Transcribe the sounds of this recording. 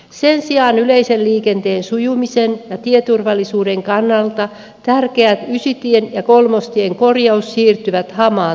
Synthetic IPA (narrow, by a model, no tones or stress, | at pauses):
se̞nsiɑːnyleiselliːke̞nt̪eːnsujumisenjɑt̪iet̪urʋɑlːisuːde̞ŋkɑnːɑlt̪ɑ | t̪ærkeæt̪ysyt̪ienjɑkolmost̪ie̞ŋko̞rjɑusːiːrt̪yʋæt̪hɑmɑː